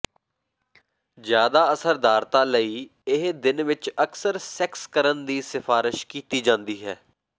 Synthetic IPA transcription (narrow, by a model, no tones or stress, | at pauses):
zjaːd̪aːəsəɾd̪aːɾt̪aːləiːɪɦd̪ɪnʋɪt͡ʃəksəɾsɛkskəɾənd̪iːsɪfaːɾɪʃkiːt̪iːd͡ʒãːnd̪iːɦɛː